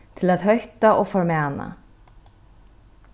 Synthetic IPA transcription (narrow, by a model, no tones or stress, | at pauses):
t̪ʰɪlaðɦœɥht̪aʔɔɣfɔɾmaːna̰